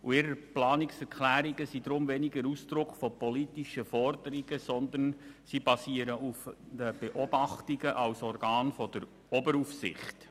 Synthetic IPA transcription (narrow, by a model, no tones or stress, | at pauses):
uɪɾəɾplɑːnɪksɛɾkʰlæːɾiɡəsid̥̪ɾʊmvɛnɪɡəɾusd̥̪ɾʊkfɔpɔlitiʃəfɔrd̪əɾiɡ̥əsɔnd̪ənsibɑsiəɾəufdəb̥eʔɔb̥ɑχtiɡəʔɑwsɔrɡ̥ɑːnfɔd̥̪əɾ | ɔbəɾufsɪ̰χt